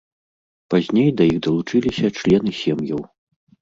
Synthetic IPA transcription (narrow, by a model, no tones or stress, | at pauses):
pazʲnʲejd̪ɐjixd̪ɐlˠut͡ʂɨlʲisʲɐt͡ʂlʲɛnɨsʲɛmjɐw